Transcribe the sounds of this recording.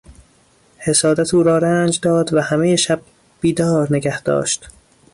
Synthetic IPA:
he̞sɒːd̪æt̪ʰuːɾɒːɾænd͡ʒd̪ɒːd̪væhæmejeʃæb̥̚ | b̥iːd̪ɒːɾneɡæhd̪̥ɒ̰ːʃt̪

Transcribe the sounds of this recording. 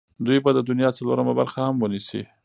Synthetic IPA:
d̪ujbad̪əd̪ʊnjɑt͡saloɾəmabaɾxahamwənisḭ

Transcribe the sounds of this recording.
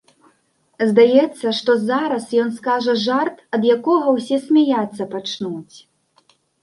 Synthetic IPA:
zd̪ajɛt̪sːɐʂt̪ɔzaɾɐsjɔnskaʐɐʐart̪ɐd̪jakɔɣɐwsʲɛsʲmʲɛjat̪sːɐpat͡ʂnut͡sʲ

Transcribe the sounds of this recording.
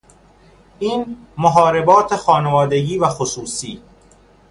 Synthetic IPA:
iːn | moɦɒːɾe̞bɒːt̪ʰexɒːne̞vɒːd̪e̞ɟiːvæxosuːsiː

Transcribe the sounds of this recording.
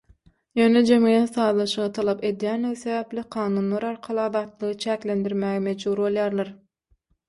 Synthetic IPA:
jøːned͡ʒemŋed̪enθɑːðlˠɑʃɯʁɯt̪ʰɑlˠɑpe̞d̪jænliɣiθe̞βæplʲiqʰɑːnuːnlˠɑɾɑɾqʰɑlˠɯɑðɑːt̪lˠɯʁɯt͡ʃʰæːklend̪iɾmæɣemed͡ʒbuɾbo̞lˠjɑːɾlˠɑɾ

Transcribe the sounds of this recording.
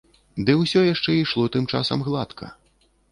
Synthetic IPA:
d̪ɨwsʲɔjaʂt͡ʂɛiʂlˠɔt̪ɨmt͡ʂa̰sɐ̰mɣlˠat̪kʰɐ̰

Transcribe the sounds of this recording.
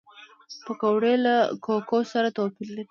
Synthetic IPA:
pəkawɽelakokosaɾat̪opilːadi

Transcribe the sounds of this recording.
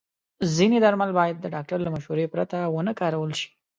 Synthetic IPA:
zined̪aɾmalbɑjad̪̚ːəɖɑk̚ʈaɾlamaʃhuɾepɾat̪awənəkɑɾawəlʃi̥

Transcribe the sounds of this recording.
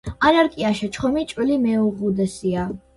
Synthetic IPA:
anaɾkʼiaʃɛt͡ʃʰχɔmit͡ʃʼwilimɛuʁud̪ɛsia

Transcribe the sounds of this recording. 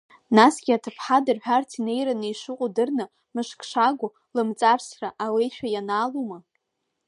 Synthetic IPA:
nasɡʲiatʰɨpʰħadɨrħʷᶣartʰine̞jɾanɨiʂɨqʷʼudɨrnɨ | mɨʂkʰʼʂaɡʷʊ | lɨmt͡sʼarsraʔawejʃᶣajanaːluma

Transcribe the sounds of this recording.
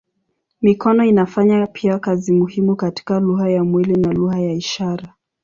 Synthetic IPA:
mikɔnɔinafaɲapʰiakazimuhimukati̥kaluhajamwilinaluhajaiʃaɾa

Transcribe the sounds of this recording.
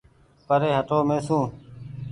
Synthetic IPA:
pəɾeːɦəʈoːmẽːsũː

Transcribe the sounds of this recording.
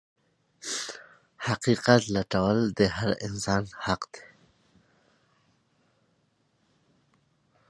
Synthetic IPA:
haqiqat̪laʈawəld̪əɦaɾɪnsɑːnhaqd̪e̥

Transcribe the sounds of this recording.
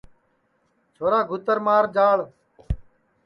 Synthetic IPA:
t͡ʃʰoːɾaːɡʱʊt̪əɾmaːɾd͡ʒaːɭ

